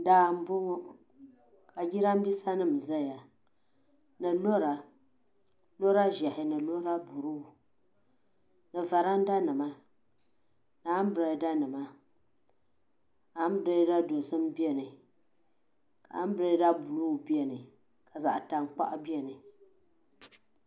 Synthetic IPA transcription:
daː˨m̩˦bo˦ŋɔ˦ | ka˨ɡi˦ɾa˦m̩˦bi˦sa˦nɨ˦˨m˨za˦ja˨ | nɨ˨lo˦ɾa˨ | lo˦ɾa˦ʒɛ˨hɪ˨nɨ˨lo˦ɾa˦bu˨ɾɨ˦˨ | nɨ˨va˨ɾa˦n˦da˦nɨ˨ma˦ | naː˨˦m˦bɨ˨ɾa˨˦da˦nɨ˨ma˦ | a˨˦m˦bɾa˦da˦do˨sɨ˦m˦bi˦ɛ˦nɨ˨ | ka̰˨˦m˦bɨ˨ɾɨ˦da˦bu˨lu˦˨bi˦ɛ˦nɨ˨ | ka˨za̰˨ʔta˨ŋ˦k͡pa̰˦ʔbi˦ɛ˦nɨ˨

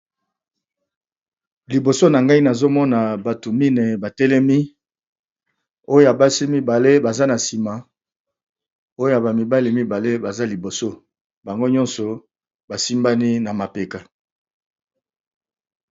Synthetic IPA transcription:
li˨bo˨so˦na˨ŋɡa˦i˦na˨zo˦mɔ˦na˨ba˨tu˨mi˦ne˨ba˨tɛ˦lɛ˦mi˦ | o˦jo˦a˨ba˦si˦mi˦ba˨le˦ba˨za˦na˨si˨ma˨ | o˦jo˦a˨ba˨mi˨ba˦li˨mi˦ba˨le˦ba˨za˦li˨bo˨so˦ | ba˨ŋɡo˦ɲɔ˦nsɔ˨ | ba˨si˦mba˦ni˦na˨ma˨pe˨ka˨

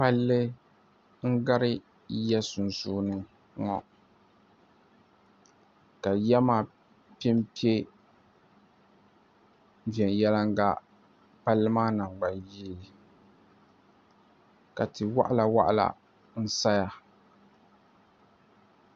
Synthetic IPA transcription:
pa˦lːɨ˦ | ŋ̩˦ɡa˦ɾɪ˦ | jɛ˦sʊ˨n˨zuː˦nɨ˨ | ŋɔ˨ | ka˨jɛ˦maː˦˨ | pi˦m˦pi˦e˦ | vi˨ɛ˨njɛ˦la˦ŋ˦ɡa̰˦ | pa˦lːɨ˦maː˦na˨ŋ͡mɡ͡ba˨jiː˦l | ka˨tɨ˨wa̰˦ʔa˦la˨wa̰˦ʔa˦la̰˨ | n̩˦sa˦ja˦

